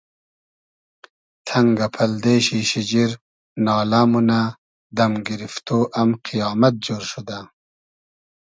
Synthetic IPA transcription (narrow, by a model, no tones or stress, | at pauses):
t̪ʰɐŋɡapʰɐld̪eːɕiɕid͡ʑiɾ | nɑːlamuna | d̪ɐmɡiɾift̪oːʔɐmqʰijɑːmat̪̚d͡ʑoːɾʃud̪a